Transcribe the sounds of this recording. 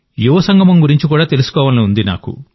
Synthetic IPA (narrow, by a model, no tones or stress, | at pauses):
juʋɐsɐŋɡʱɐmɐmɡuɾiɲt͡ʃikuːɽaːt̪e̞lusu̥kɔːʋɐːlɐniund̪ina̰ːkṵ